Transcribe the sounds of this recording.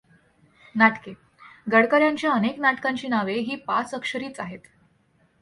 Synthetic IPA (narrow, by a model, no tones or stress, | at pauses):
naʈke | ɡəɽkəɾjãɲt͡ɕjaəneknaʈkaɲt͡ɕiːnaʋeɦiːpa̰t͡səkʂəɾiːt͡saɦet̪